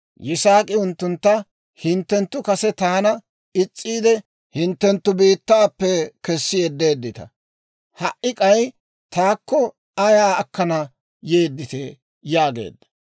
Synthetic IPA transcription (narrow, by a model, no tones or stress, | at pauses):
jɪsaːkʼɪʊnt̪ːʊnt̪ːɐ | hɪnt̪ːɛnt̪ːʊkɐsɛt̪aːnɐ | ɪt͡sʼːiːd̪ɛ | hɪnt̪ːɛnt̪ːʊbiːt̪ːaːpːɛkɛsːɪjɛd̪ːeːd̪ːɪt̪ɐ̰ | hɐʔɪkʼɐj | t̪aːkːɔ | ɐjaːɐkːɐnɐ | jeːd̪ːɪt̪e | jaːɡe̞̰ːd̪ːɐ̥